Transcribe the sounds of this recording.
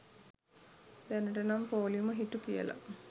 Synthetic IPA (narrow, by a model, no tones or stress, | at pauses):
d̪ænəʈənampoːliməɦiʈukijə̰la̰